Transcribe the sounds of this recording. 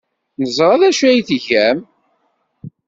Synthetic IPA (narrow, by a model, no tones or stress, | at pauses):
nəzˤɾˤɑðæʃæjθʝæm